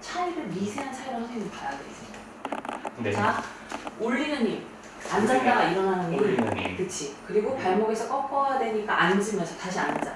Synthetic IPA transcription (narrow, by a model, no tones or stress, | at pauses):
t͡ɕʰaiɾɯɭmisʰe̞ɦansʰaɾiɾɯɭhasʰeŋmɯmpadadweis͈ɯmɲida | ea | uɭːinɯnɲim | and͡ʑaŋɡaaiɾʌnɦanɯnʌkɯt͡ɕʰikɯɾiɡopaɭmʌɡe̞sʰʌk͈ʌk͈ʌjadwe̞ɲik͈a̰ʔand͡ʑɯmjʌnsʰʌtaɕʰia̰nd͡ʑa